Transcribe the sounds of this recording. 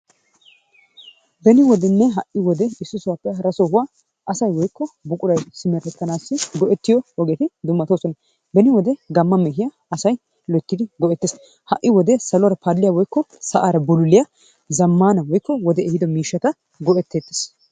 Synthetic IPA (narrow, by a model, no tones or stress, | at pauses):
bɛnɪwɔd̪ɛnːɛɦɐʔːɪwɔd̪ɛɪsːʊsʊwaːpːɛɦɐɾɐsoɦʊwaː | ɐsɐjwɔjkːɔbʊkʼʊɾɐjsɪmɛɾɛt̪ːɐnaːsːɪɡɔʔɛt̪ːɪjɔwɔɡeːt̪ɪd̪ʊmːɐt̪oːsɔnɐ | bɛnɪwɔd̪ɛɡɐmːɐmɛɦɪja | ɐsɐj | lɔt̪ːɪd̪ɪɡɔʔɛt̪ːeːs | hɐʔːɪwɔd̪ɛsɐlɔwɐɾɐpadlːɪjawɔjkːɔsɐʔaːɾɐbʊlʊlɪjɐ | zɐmːaːnɐwɔjkːɔwɔd̪ɛɛhɪd̪ɔmiːʃːɐt̪ɐ | ɡɔʔɛt̪ːeːt̪ːe̥s